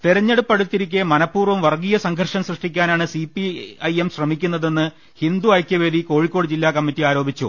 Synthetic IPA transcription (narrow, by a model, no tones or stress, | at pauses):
t̪iɾɐɲːeɽupːɐɽut̪ːiɾikʲːemɐnɐpːuːrʋɐmʋɐrɡiːjɐsɐŋɡʱɐrʂɐmsrɨʂʈikʲːaːnaːɳɨsipːiɐjemɕrɐmikʲːunːɐðe̞nːɨ | hind̪uɐjkʲjɐʋeːðiko̞ːɻikʲːo̞ːɽɨd͡ʑilːaːkɐmːitːiaːɾo̞ːbit͡ɕːṵ